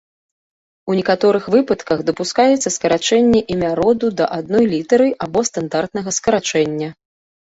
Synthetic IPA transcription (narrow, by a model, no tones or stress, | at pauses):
unʲɛkat̪ɔɾɨxvɨpɐt̪kɐxd̪ɐpuskajɛt̪sːɐskɐɾat͡ʂɛnʲːɛʔimʲaɾɔd̪ud̪ɐʔad̪̚nɔjlʲit̪ɛɾɨʔabɔst̪and̪art̪nɐɣɐskɐɾat͡ʂɛnʲːɐ